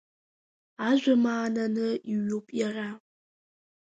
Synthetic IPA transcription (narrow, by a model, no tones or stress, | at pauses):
aːʒʷɐmaːnɐnɨiɥʊpʼjɛraː